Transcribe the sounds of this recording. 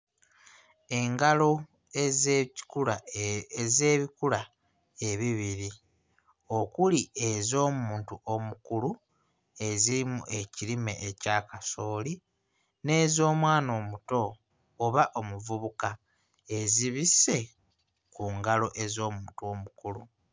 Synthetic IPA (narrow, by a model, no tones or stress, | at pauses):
e̞ŋɡalo̞ | kua | ze̞ːβikula | eβiβiɾi | o̞kulie̞zo̞ːmuːntuʔo̞mukulu | e̞ziɾimuʔe̞cilime̞̰ʔecakaso̞ːli | ne̞ːzo̞ːmwaːno̞ːmuto̞ː | βaʔo̞muvuβuka | e̞ziβise̞ | kuŋɡalo̞ʔe̞zo̞ːmuːntuo̞mukulu